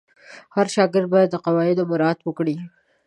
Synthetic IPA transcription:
haɾʃɑɡɪɾd̪̚bɑjad̪ːəqawɑɪd̪omʊɾɑːt̪wəkɽi

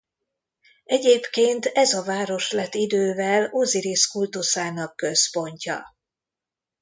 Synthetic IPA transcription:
ɛɟeːpkeːnt̪ɛzɒvaːɾo̞ʃlɛt̪ːid̪øːvɛloziɾiskult̪usaːnɒkːø̞spo̞ɲcɒ̰

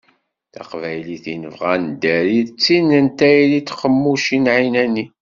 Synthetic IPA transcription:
θæ̰qvæjliθinəvʁænd̪æɾiðt͡sːinænt̪æjlit̪ːqəmːuʃinʕinæni

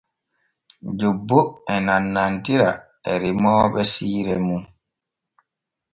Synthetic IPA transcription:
d͡ʒobːoɛnanːantiɾa̰ | ɛ̰ɾimɔːɓɛsiːɾɛmun

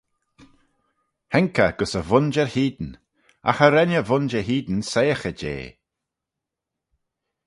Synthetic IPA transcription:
hɛŋkəɡ̥ʊsəvʊnd͡ʒəɹhiːd̪n̩ | a̰xəɾɛnəvʊnd͡ʒəɦiːd̪n̩sejəxəd͡ʒḛː

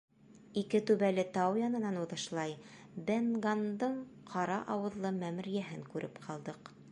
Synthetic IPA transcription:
ikɘt̪ʉβælɘt̪ɑwjɑnɤ̆nɑnuðɤ̆ʃlˠɑjbenɡɑnd̪ɤɴqʰɑɾɑʔɑwɤ̆ðlˠɤmæmɘ̆ɾjæɦɘŋkʉɾʔɘpqʰɑlˠd̪ɤq

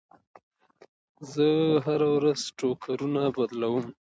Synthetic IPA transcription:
zəɦaɾawɾaz̥ʈokʰaɾunabad̪lawəm

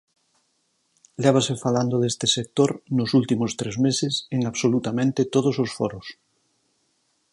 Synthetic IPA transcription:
lɛβ̞asefaland̪oðest̪esek̚t̪oɾnosult̪imost̪ɾezmeseseŋaβsolut̪amẽnt̪et̪oð̞ososfoɾos

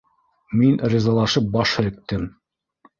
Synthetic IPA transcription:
minɾʲizɑlˠɑʃɤp̚bɑʃhɘ̆lɘ̆k̚t̪ɘm

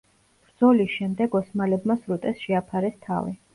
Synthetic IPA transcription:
b̥ɾd̪z̥ɔlisʃɛmd̪ɛɡɔsmalɛbmasɾut̪ʼɛsʃɛapʰaɾɛst̪ʰa̰vḭ

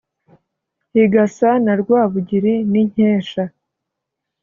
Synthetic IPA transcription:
hiɡasanaɾɡwaːβuɟiɾiniɲ̥eːʃa

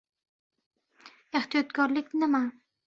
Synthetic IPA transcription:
eht̪ijɒt̪kɒɾlɪkʲnɪma

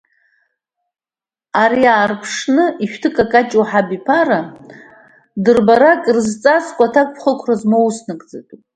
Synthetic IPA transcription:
aɾiaːrpʰʂnɨiʃᶣtʰɨkʼakʼat͡ʃʼuwħabipʰaɾa | dɨrbaɾakʼrzt͡sʼat͡sʼkʷʼatʰakʷpʰχəkʷʰrazmowsnɨkʼd͡za̰tʼ

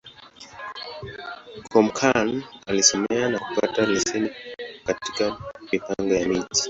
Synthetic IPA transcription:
kʰɔm̩kʰanalisɔmɛanaku̥patalisinikati̥kamipaŋɡɔjamiti̥

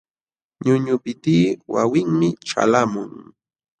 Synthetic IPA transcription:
ɲʊɲʊpɪt̪iːwa̰wɪŋmɪʈ͡ʂa̰lamʊŋ

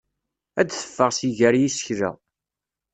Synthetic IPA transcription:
æd̪θə̥fːəʁsiʝæɾjisəçɾæ̰

